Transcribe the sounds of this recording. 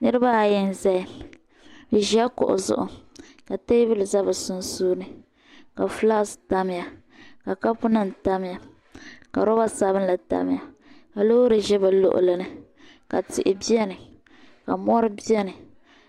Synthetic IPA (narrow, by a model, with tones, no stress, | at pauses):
nɨ˦ɾɨ˦ba˦a˨jɛ˦n˦zɛ˦˨ | bi˨ʒi˨˦a˦kʊ̰˨ʔʊ̰˨zʊ̰˦ʔʊ˨ | ka˨te˦bɪ˦lza˦ba˨sʊ˦n˦suː˦nɨ˨ | ka˨fla˦sta˦m˦ja˨ | ka˨ka˦pʊ˦nɨ˦n̩˨ta˦m˦ja˨ | ka̰˨ɾɔ˦ba˦sa˦βɨ˦n˦la˨ta̰˦m˦ja˨ | ka˨lo˦ɾɨ˨ʒɛ˦ba˨lo̰˦ʔʊ̰˨lɨ˨nɨ˨ | ka̰˨tɪ˨ʔɪ˨bi˦ɛ˦nɨ˨ | ka˨mɔ˦ɾɨ˦bi˦ɛ˦nɨ˨